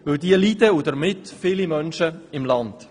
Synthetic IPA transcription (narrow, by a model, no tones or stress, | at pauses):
ʋɪwdiəlidəudəɾmɪtfɪlimœnʃəɪmlɑnd̥